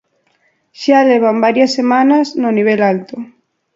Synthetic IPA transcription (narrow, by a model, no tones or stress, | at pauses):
ʃaleβ̞ambaɾjasːemanaznoniβ̞elalt̪o